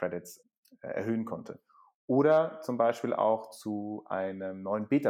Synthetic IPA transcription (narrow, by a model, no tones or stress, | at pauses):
ʁ̥ɛdɪts | ɛ̰ɐɦøːənkʰɔntʰə | ʔoːɾɐt͡sʊmbaɪʃpiːlʔa̰ʊxt͡suʔa̰ɪnəmnɔʏənbeːtɐ